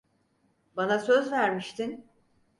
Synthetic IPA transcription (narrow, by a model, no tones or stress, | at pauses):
banasøzvæɾmiʃt̪ʰin